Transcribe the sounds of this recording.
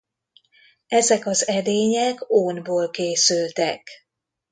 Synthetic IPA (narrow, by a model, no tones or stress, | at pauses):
ɛzɛkɒzɛd̪eːɲɛkoːnboːlkeːsylt̪ɛk